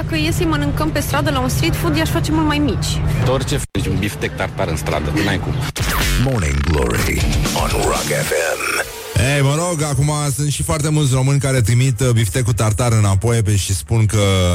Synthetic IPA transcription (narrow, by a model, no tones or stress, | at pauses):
d̪akəjesəjmənɨŋkəmpe̞st̪ɾad̪əlaunst̪ɾit̪fud̪jaʃfat͡ʃe̞mult̪majmit͡ʃʲd̪ort͡ʃefnit͡ʃʲunbift̪ek̚t̪art̪aɾɨnst̪ɾa̰d̪əɨnajkummonɪ̰̃ŋɡlo̰ɹḭɔ̰̃nɹɑ̰ɡɛfɛ̃m | ejməɾo̞ɡakumasunt̪ʃifoart̪e̞mult̪sʲro̞mɨnʲkaɾe̞t̪ɾimit̪bift̪e̞kut̪art̪aɾɨnapo̞jpeʃispunkə